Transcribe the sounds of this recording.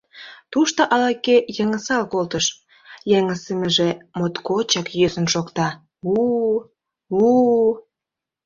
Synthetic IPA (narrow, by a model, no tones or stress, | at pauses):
t̪uʃt̪ɑʔɑlɑkejəŋəsɑlkolt̪əʃ | jeŋəsəməʒemot̪kot͡ɕɑkjøsə̆nʃokt̪ɑ | u | u